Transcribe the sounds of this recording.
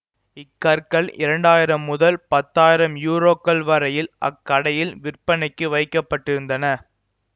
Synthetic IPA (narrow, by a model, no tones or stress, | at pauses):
ɪkːɐɾkɐɭɪ̰ɾɐɳɖaːjɪɾɐmːʊðɐlpɐt̪ːaːjɪɾɐmjuːɾoːkːɐlʋɐɾɐjɪlʔɐ̰kːɐɽɐjɪlʋɪrpɐnɐɪkːɯʋɐɪkːɐpːɐʈːɪɾɯnd̪ɐnɐ